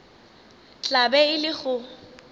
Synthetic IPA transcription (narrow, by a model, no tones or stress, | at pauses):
t͡ɬʼabɛɪlɪɣʊ